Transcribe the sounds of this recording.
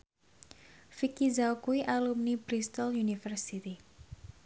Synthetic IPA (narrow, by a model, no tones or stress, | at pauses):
fikizawkuiʔalumnibɾist̪ɔljunifərsit̪i